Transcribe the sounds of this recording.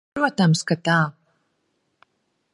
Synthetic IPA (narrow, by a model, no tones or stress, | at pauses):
ɾuɔt̪amskat̪aː